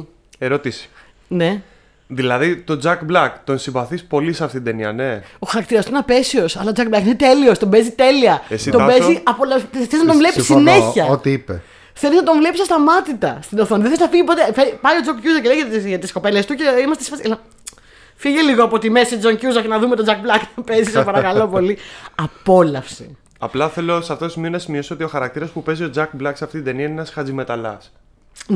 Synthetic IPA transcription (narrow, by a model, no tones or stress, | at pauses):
eɾot̪isi̥ | ne̞ | ðilɐðit̪o̞d͡zɐkblɐkt̪o̞nsĩɱvɐθispo̞liseɐft̪it̪d̪eniɐ̰ne̞oxɐɾɐk̚t̪iɾɐst̪nɐpe̞sio̞sɐlɐod͡zɐk̚blɐkinet̪e̞lio̞st̪o̞mbezit̪e̞liɐesit̪obeziɐpolθelznɐt̪õvlepsisineçɐot̪iipḛ | θeliznɐt̪oɱvle̞pisɐst̪ɐmɐt̪it̪ɐst̪inoθoniðeθezinɐfiʝipo̞t̪efepɐio̞d͡zokcuzɐcelejɣet̪ɐt̪isko̞pe̞lest̪uceimɐst̪esifɐslɐ | fiʝeliɣoɐpot̪imesid͡zoŋcuzɐɾcenɐðumet̪o̞d͡zɐk̚blɐkt̪ope̞zisɐpɐɾɐkɐlo̞po̞liɐpo̞lɐfsi | ɐ̰plɐθe̞lo̞sɐft̪oosimio̞nɐsimiosoot̪io̞xɐɾɐkt̪iɾɐspupe̞zio̞d͡zɐkblɐksɐft̪id̪eniɐnenɐsxɐd͡zimet̪ɐlɐ̰s | n